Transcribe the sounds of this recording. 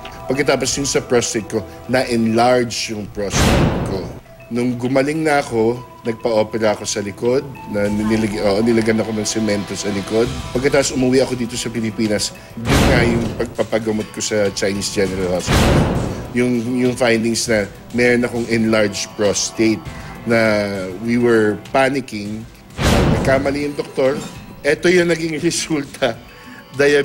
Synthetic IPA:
pɐɡkɐt̪aːposjʊŋsɐpɹost̪ejt̪̚ko̞ | nɐʔɛnlaɹd͡ʒjʊŋpɹost̪et̪̚ko̞ | nʊŋɡʊmɐlɪŋnɐɐko̞ | nɐɡ̚pɐʔo̞ːpɛɾɐɐko̞sɐlɪko̞d̪̚nɐnɪlɐɡʔoʔnɪlɐɡɐnɐko̞nɐŋsɛmɛnt̪o̞sɐlɪko̞d̪̚pɐɡ̚kːɐt̪aːposʊmɐwiʔɐko̞d̪iːt̪o̞sɐpɪlɪpiːnɐs | b̪ɪŋɐjʊŋpɐɡ̚pɐpɐɡɐmot̪̚ko̞sɐt͡ʃɐjniːsd͡ʒɛnɛɾɐlhaspɪsɐjʊŋjʊŋfajnd̪ɪŋsnɐ | mɛɾonɐko̞ŋɛnlaɹd͡ʒpɹost̪ejt̪̚nɐwiwɛɹpanɪkɪŋ | nɐɡ̚kamɐlijɐŋd̪ok̚t̪o̞ɹʔɛt̪o̞jʊŋnɐɡiŋɹɛsult̪ɐ | d̪ajɐ

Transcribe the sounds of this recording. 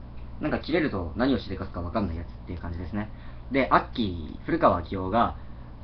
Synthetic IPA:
nãŋkakʲiɾe̞ɾɯ̟t̪o̞naɲ̟io̞ɕit̪ekasɨ̥kaβakanːaijat͡sɨ̥t̪ːe̞jɯ̟kãɲ̟d͡ʑid̪e̞sɨne | d̪e̞ʔakʲːiɸɯ̟ɾɯ̟kaβakʲijo̞ːɡa

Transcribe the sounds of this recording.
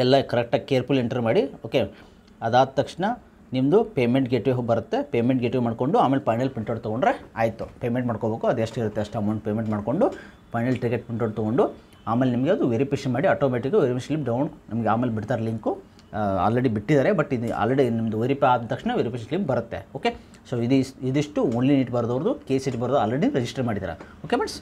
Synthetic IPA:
ɛlːɐkɐɾɐk̚ʈakeːɾpuleɳʈɐɾmaːɽioːke̞ | ɐd̪aːd̪̚t̪ːɐkʂɳɐ | nimd̪upeːmeɳʈɡeʈʋeɦbɐɾut̪ːepeːmeɳʈ̚ɡeʈʋemaːɽko̞ɳɖuaːmeːlepɐjnɐlpiɳʈoɽt̪oɡoɳɖɾea̰ːjt̪ːupeːmeɳʈmaːɽkobeːkuɐd̪ueʂʈiɾut̪ːeɐʂʈaːmɐnɖ̪peːmeɳʈmaːɽko̞ɳɖu | pɐjnɐlʈɾiɡeʈ̚piɳʈoɽɖt̪ɐɡoɳɖu | aːmeːlenimɐɡeɐd̪uʋeɾipeʂɐnmaːɽiɐːʈoːmeːʈikɐʋeɾipeslip̚ɖɐwnnʔɐmɐɡeaːmeːlebiɽt̪aːɾeliŋku | ɐ̰ːlɾeɽibiʈːid̪aːɾe̞bɐʈːid̪ia̰ːlɾeɽinimɐd̪uʋeɾipeaːd̪t̪ɐkʂnɐʋeɾipeʂɐnslip̚bɐɾɐt̪ːe̞̰oːke | soːid̪iid̪iʂʈuoɳliniːʈbɐɾɐd̪ɐʋɐɾd̪ukeːsed͡ʒbɐɾud̪uɐlɾeɽinɾed͡ʒisʈɐɾmaːɽid̪iːɾa̰oːkemɐʈs

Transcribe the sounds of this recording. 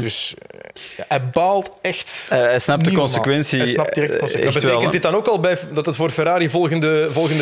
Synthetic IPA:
d̥ɵs | ja̰ɛbaːlˠtɛxtɛsnɑp̚dəkɔnsəkʋɛnsisnɑdiɛsbətɛːlˠkəndɪt̚dɑnoːkɑlˠbɛjdɑtətfoːrfɛɾaːɾivɔlˠɣəndəvɔlˠɣənd

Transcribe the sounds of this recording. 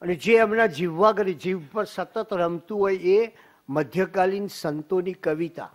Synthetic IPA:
əned͡ʒeəmnad͡ʒiʋːaɡəɾed͡ʒiʋpəɾsət̪ət̪ɾəmt̪uɦoje | məd̪ʱjəkalinsənt̪onikəʋit̪a̰

